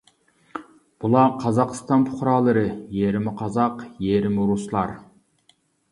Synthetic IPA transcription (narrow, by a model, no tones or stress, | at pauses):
b̥ulˠɑqʰɑzɑqst̪ɑnpʰʊ̥χɾɑːlˠɨɾɨjeɾɪmɪqʰɑzɑqjeɾɪmɪɾuslˠɑɾ